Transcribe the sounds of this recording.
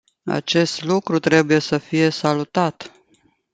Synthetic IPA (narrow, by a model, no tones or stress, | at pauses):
a̰t͡ʃe̞st̪lukɾut̪ɾe̞buje̞səfije̞salut̪at̪